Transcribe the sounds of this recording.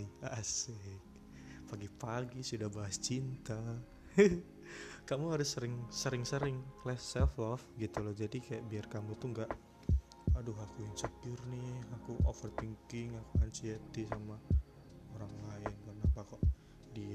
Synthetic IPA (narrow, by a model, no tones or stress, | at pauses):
asɛ | paɡipaɡisudahbaɦast͡ʃint̪a | kamuɦaɾʊsːəɾɪŋsəɾɪŋsəɾɪŋlɛhsɛlfɔfɡit̪ulɔhd͡ʒadikajaʔbiarkamʊt̪uŋɡaʔ | adʊɦakujaŋsəkɪrnɪhakuʔofərt̪iŋkɪŋakuant͡ʃiet̪isama | oɾaŋlaɪnkarnapakɔʔ | di